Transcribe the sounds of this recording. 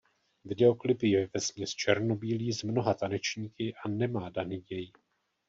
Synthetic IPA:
vɪdɛo̞klɪpɪjɛvɛzmɲɛst͡ʃʰɛɾno̞biːliːzmno̞ɦat̪anɛt͡ʃɲiːkɪʔanɛmaːdaniːjɛj

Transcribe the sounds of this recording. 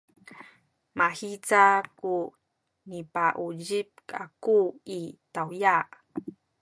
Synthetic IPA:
mahit͡saku | nipaʔuʎip̚ka̰kuitawjaʔ

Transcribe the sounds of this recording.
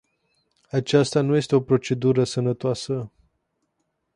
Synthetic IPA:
at͡ʃast̪anuje̞st̪e̞o̞pɾo̞t͡ʃe̞d̪uɾəsənət̪oasə

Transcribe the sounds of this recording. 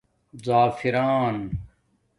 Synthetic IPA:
zaːfiɾaːn

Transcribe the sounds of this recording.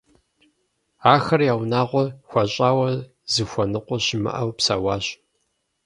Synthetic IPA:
aːxɐrjaːwnaːʁʷɔxʷɐɕʼaːwɐ | zɨxʷɐnɨqʷʼɔɕɪmɨ̰ʔɐwpsa̰ːwɑːɕ

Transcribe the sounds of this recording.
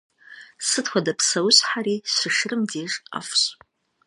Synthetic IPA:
sɨtʰxʷadapʰsawɕħaɾiɕɨʂrɨmdieʐʼa̰fɕ

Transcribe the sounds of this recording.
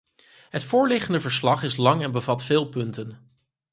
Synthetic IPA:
ɦətfʊːɹlɪχəndəvəɹslɑχɪslɑŋɛnbəvɑtfɪːlˠpɵntən

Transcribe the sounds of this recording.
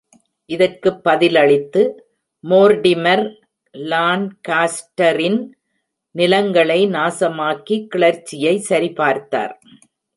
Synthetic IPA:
ʔɪðɐrkɯpːɐðɪlɐɭɪt̪ːɯ | moːɾɖɪmɐɾ | laːnkaːsʈɐɾɪn | nɪlɐŋɡɐɭɐɪnaːsɐmaːkikːɪɭɐɾt͡ʃːɪjɐɪsɐɾipaːɾt̪ːa̰ːɾ

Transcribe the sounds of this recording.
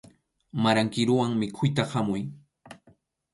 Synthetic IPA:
maɾaŋkɪɾʊwaŋmɪkʰʊjt̪ahamʊj

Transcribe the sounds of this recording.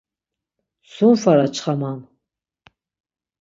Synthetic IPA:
sumfaɾat͡ʃʰʼχamam

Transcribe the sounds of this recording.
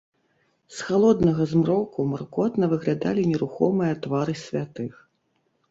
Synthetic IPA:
sxalˠɔd̪nɐɣɐzmɾɔkumɐrkɔt̪nɐvɨɣlʲad̪a̰lʲinʲɛɾuxɔ̰mɨjɐt̪vaɾɨsʲvʲat̪ɨx

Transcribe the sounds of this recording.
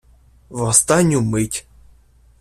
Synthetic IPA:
vɔst̪anʲumɨtʲ

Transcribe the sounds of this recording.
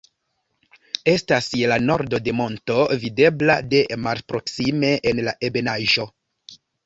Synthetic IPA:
e̞stasjelano̞ɾdo̞de̞mo̞nto̞vide̞bla̰de̞maɾpɾo̞ksime̞ʔːnlaʔe̞benaʒo̞

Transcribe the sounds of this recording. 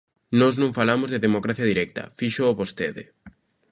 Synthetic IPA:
nɔznõŋfalamʊzðeðemokɾaθjɐðiɾɛk̚t̪ɐ̰fiʃooβost̪eðḛ

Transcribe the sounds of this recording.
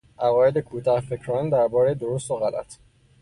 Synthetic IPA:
ʔævɒːjed̪ekʰuːt̪ʰɒhfe̞cʰɾɒːnd̪æɾbɒːɾejed̪o̞ɾost̪oɣælæ̰t̪ʰ

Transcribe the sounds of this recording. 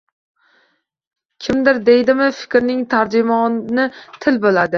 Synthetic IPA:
kʲʰɪmd̪ɪɾd̪e̞jd̪ɪmɪfɪ̥kʲɾnɪŋt̪ʰaɾd͡ʒɪmɒnɪt̪ʰɪlbolad̪ɪ

